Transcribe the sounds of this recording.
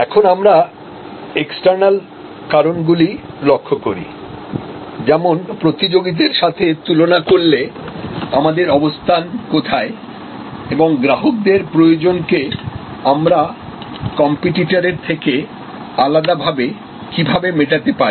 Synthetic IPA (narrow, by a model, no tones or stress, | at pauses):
ɛkʰonamɾa | eksʈaɾnal | kaɾonɡuli | lokʰːokoɾḭ | d͡ʑɛmonpɾot̪id͡ʑoɡit̪̬eɾʃat̪ʰet̪ulonakoɾle | amad̪eɾɔbost̪ʰankot̪ʰae | eboŋɡɾaɦok̚d̪eɾpɾojod͡ʑonkeamɾa | kɔmpiʈiʈaɾeɾt̪ʰeke | alad̪abʱabe | kibʱabemeʈat̪epai